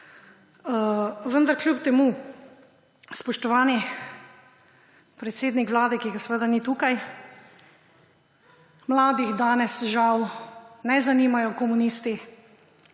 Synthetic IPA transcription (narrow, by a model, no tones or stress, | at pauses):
əʋənd̪aɾklʲjupt̪ɛmu | spɔʃt̪ɔʋaːni | pɾɛt̪seːd̪nikʋwlaːd̪ɛkiɡasʋəd̪anit̪ukaj | mlaːd̪iɣd̪aːnɛsʒawnɛzaniːmajɔkɔmuniːst̪i